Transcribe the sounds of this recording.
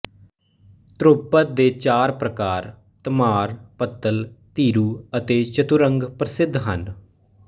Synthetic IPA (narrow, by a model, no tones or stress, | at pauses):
t̪ɾopət̪̚d̪eːt͡ʃaːɾpɾəkaːɾ | t̪əmaːɾpət̪ːəlt̪iːɾuːət̪eːt͡ʃət̪uɾəŋɡpɾəsɪd̪ʱɦən